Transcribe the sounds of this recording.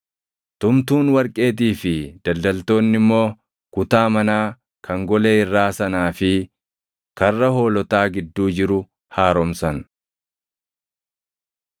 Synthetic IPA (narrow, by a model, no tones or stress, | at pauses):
t̪ʊmt̪uːnwɐɾkʼe̞ːt̪̬iːfɪd̪̥ɐld̪ɐlt̪o̞ːnːɪmːo̞ː | kʊt̪aːmɐnaː | kʰɐŋɡɔle̞ːɪrːaːsɐnaːfɪ | kɐrːɐho̞ːlɔt̪aːɡɪd̪ːuːd͡ʒɪɾʊ | haːɾɔmsɐn